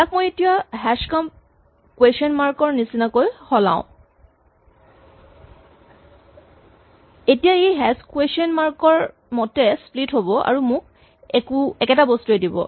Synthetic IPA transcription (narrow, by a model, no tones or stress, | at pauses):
takmojetijaɦɛskamp | kwesɔnmaɹkɔɹnisinakojxɔlã̰ʊ̃ | etijaejɦɛskwesiɔnmaɹkɔɹ | mɔtɛsplitɦobɔa̰ɹumʊ̃k̚ | ɛkuɛkɛtabostuedibɔ̰